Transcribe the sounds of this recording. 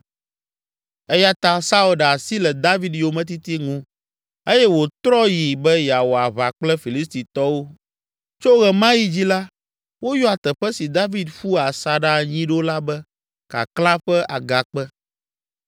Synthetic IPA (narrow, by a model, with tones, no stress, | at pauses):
ɛ˦ja˦t̪ã˦sa˦u˦lɖa˨si˦lɛ˨d̪a˦vi˦d̪jo˨mɛ̃˦t̪̬i˦t̪i˦ŋũ˦ | e˦jɛ˦wo˨t̪ɾɔ˦ji˨bɛ˦ja˨wo˨a˨βa˨k͡plɛ˦fi˨li˦st̪i˨t̪ɔ˦wo˦ | t͡ʃo˦ɣɛ˨mã˦ji˦d͡ʑi˦la˦ | wo˦jɔ˦a˨t̪ɛ˨ɸɛ˦si˨d̪a˦vi˦d̪ɸu˦a˨sa˨ɖa˦˨ɲĩ˦ɖo˦la˦bɛ˦ | ka̰˨klã˦ɸɛ˦ʔa˨ɡa˨k͡pɛ˦